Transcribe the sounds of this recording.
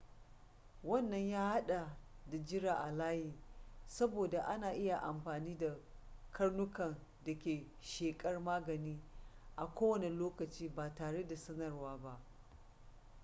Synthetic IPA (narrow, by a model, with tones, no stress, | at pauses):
wɐ˦˨nːɐ˦˨ɲjaː˦ha˦ɗa˨da˨d͡ʒɪ˦ɾaː˨ʔa˨laː˦hiː˨sɐ˦boː˨da˨ʔa˦naː˨ʔɪ˦ja˨ʔa˨mɸaː˨niː˦da˨kʰɐ˦rnʊ˦kɐ˨n | dɐ˨kʲeː˨ | ʃeː˨kʼɐ˦rmaː˦ɡɐ˨niː˦ʔa˨kʷoː˦wɐ˨ne˨loː˦kɐ˨t͡ʃiː˦baː˨taː˨ɽe˦da˨sɐ˦nɐ˨rwaː˦ba˦ʔ